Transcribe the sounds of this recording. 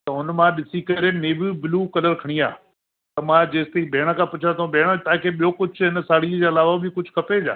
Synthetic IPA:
t̪ɐɦʊnmãɗɪsikɐɾeneːʋibɪlukɐləɾkʰɐɽ̃ia̰ː | t̪ɐmãd͡ʑeːst̪eibʱeːɽ̃əkʰãːpʊt͡ʃʰãt̪ʰɐõbʱeːɽ̃ət̪ãkʰeːɓijokʊd͡ʑʱʰɦɪnəsaːɽiəd͡ʑaːɐlaːʋabɪkʊd͡ʑʱʊkʰɐped͡ʑa̰ː

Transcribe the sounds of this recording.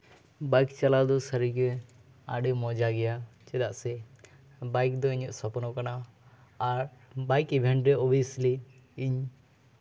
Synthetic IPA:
bajkt͡ʃalad̪ɔsəɾiɡɛ | a̰ɖimɔd͡ʒaɡɛjat͡ʃɛd̪aʔsɛ | bajk̚d̪ɔiɲɔʔsɔpnɔkanaː | ɾbajkibʱɛɳɖɾɛɔbijəsli | iɲ

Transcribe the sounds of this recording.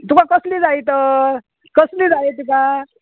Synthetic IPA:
t̪ukakʌslid͡zajt̪ʌ | kʌslid͡zaet̪uka

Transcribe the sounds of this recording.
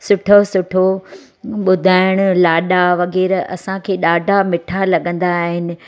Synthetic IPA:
sʊʈʰosʊʈʰo | ɓʊd̪ʱaːɪɽ̃ʊlaːɗaʋɐɣɛːɾɐ̰sãkʰeːɗaːɖʱamɪʈʰalɐɠə̃nd̪aːɦɪnɪ̆

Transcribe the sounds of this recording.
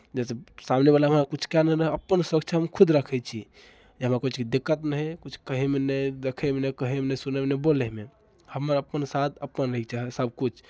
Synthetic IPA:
d͡ʒɛsesamnebalaɦəmɾakut͡ʃʰkanəɾəɦəpːənsəkt͡ʃʰaɦəmkʰud̪ɾəkʰɛt͡ʃʰi | d͡ʒeɦəmɾakut͡ʃʰkid̪ikːət̪nəɦɛkut͡ʃʰkəɦemenəjd̪ekʰɛmenəkəɦɛmenəsunɛmenebolɛme | həmːəɾəpənsat̪ʰəpːənɾəɦikt͡ʃaɦɛsəb̚kut͡ʃʰ

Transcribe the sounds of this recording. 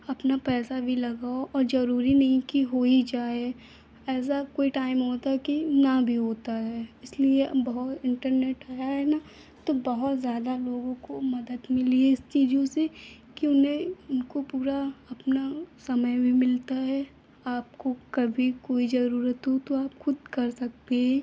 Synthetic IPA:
ɐpnapɛːsabʱilɐɡaːoʔɔːɾd͡ʒɐɾuːɾinɐɦĩkiɦoːid͡ʒaːe | ɛːs̬akoːiʈaːɪmɦoːt̪aɦɛkinabʱiɦoːt̪aɦɛɪsliebɐɦʊt̪ɪ̃ɳʈəɾneːʈaːjaɦɛna | t̪obɐɦʊt̪zjaːd̪aloːɡõkomɐd̪əd̪mɪlieɪst͡ʃiːd͡ʒõse | kiʊnɦẽʊnkopuːɾaɐpnasɐməjbʱimɪlt̪aɦɛ | aːp̚kokɐbʱikoːid͡ʒɐɾuːɾət̪ɦot̪oaːpxʊd̪̚kɐɾsɐk̚t̪eɦɛ̃ː

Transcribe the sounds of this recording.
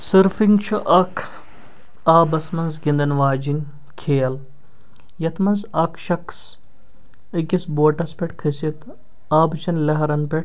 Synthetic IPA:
sɐɾfiŋɡt͡ʃʰuʔɐkʰ | aːbɐsmɐnzɡind̪ɐnʋaːd͡ʒinʲ | kʰeːɐl | jɐt̪ʰmɐnzɐkʰʃɐks | ɐkisboːʈɐspʲeʈkʰɨsɐt̪ | aːbt͡ʃʰɐnlɐɦɐɾɐnpeʈ̚

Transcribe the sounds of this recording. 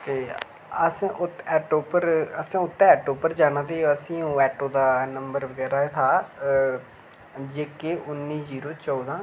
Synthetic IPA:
t̪eː | əsːʔʊt̪ɛːʈoːpəɾəsãːʊt̪ːɛːɛːʈoːpəɾd͡ʒaːñãːt̪eːoəsĩːũːɛːʈoːd̪aːnəmbəɾʋəɡɛːɾaːet̪ʰaː | d͡ʒeːkeːʔʊnːiːziːɾoːt͡ʃɔːd̪ãː

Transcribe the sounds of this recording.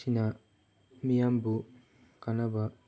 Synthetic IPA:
ina | mijambu | kanaba

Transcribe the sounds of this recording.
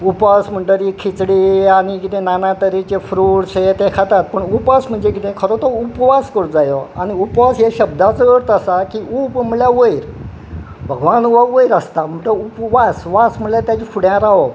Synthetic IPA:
upʋasm̤əɳʈəɾikʰit͡sɽiañikit̪ẽnanat̪əɾit͡ɕefɾuɽset̪ekʰat̪at̪̚pəɳupasm̤əɳd͡zekit̪ʰẽkʰəɾot̪ɔupʋaskəɾd͡zajɔaniupʋasjeɕəb̚d̪at͡səəɽt̪əsakiupm̤əɭjaʋəiɾ | bʱəɡʋanuʋaʋəjɾəst̪am̤əɳʈ̪əupʋasʋasm̤əɭlat̪jat͡ɕifʰuɽjãɾaʋɔ

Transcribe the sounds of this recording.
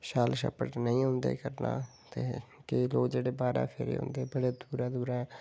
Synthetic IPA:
ʃaːlʃə̰pəʈnəĩːɦʊ̃nd̪ḛːkəɾna̰ː | t̪eːkeloːd͡ʒeːɽeːbaːɾã̰ːpʰɪɾḛːɦʊ̰̃nd̪eːbəɽeːd̪uːɾãːd̪uːɾãːɛː

